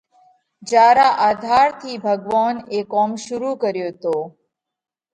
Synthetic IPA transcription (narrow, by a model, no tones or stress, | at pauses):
d͡ʒaːɾaʔaːd̪ʱaːɾt̪ʰiːbʱəɡʋaːnekɔːmʃʊɾukəɾjoːt̪oː